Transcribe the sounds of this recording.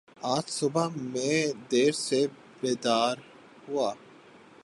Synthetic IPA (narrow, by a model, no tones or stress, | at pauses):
aːt̪sʊbamẽd̪eːɾse | beːd̪aːɾ | hʊaː